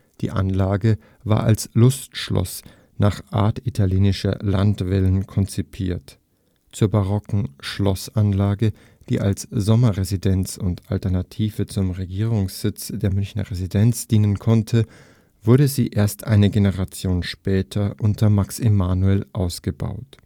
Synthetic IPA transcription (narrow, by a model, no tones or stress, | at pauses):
d̥ḭːʔa̰nlaːɡə | va̰ːɐʔa̰lslʊstʃlɔ̰s | naːχʔa̰ːɐtitʰaljeːnɪʃɐ̰la̰ntv̥ɛlənkʰɔnt͡sipʰiːɐt | t͡suːɐbaʁɔkŋ̩ʃlɔsanlaːɡə | d̥ḭːʔalsz̥ɔmɐʁezidɛnt͡sʊntʔa̰ltɛɐnatʰiːvət͡sʊmʁeɡiːʁ̞ʊŋsz̥ɪt͡sd̥eːɐmʏnçnɐ̰ʁezidɛnt͡sd̥iːnənkʰɔntʰə | v̥ʊɐdəziːʔeːɐstʔaɪnəɡenəʁat͡sjoːnʃpɛːtʰɐʔʊntʰɐmaksɪmaːnuɛlʔaʊsɡ̥əba̰ʊt